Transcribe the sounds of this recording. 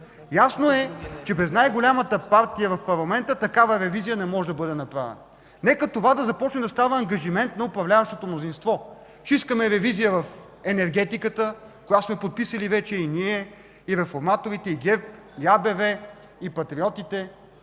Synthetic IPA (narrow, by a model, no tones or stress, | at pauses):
jasnoɛt͡ʃɛbɾɛznajɡolʲamət̪əpaɾt̪ijəvɐfpɐɾlˠɐmɛnt̪ət̪ɐkavəɾɛvizijənɛmɔʒɛd̪ɐbɤd̪ɛnɐpɾavɛ̰nə | nɛkət̪ovad̪ɐzɐpɔt͡ʃnɛmd̪ɐst̪avəːŋɡɐʒimɛnt̪nɐʊpɾɐvlʲavəʃt̪ot̪omnozinst̪vɔ | ʃiskəmɛɾɛvizijəvɐf | ɛnɛɾɡɛt̪ikət̪ə | kojasmɛpot̪̚pisəlivɛt͡ʃɛiniɛ | iɾɛfoɾmat̪oɾit̪ɛiɡɛ | ɡʲabɛvɛ | ipɐt̪ɾiɔt̪it̪ɛ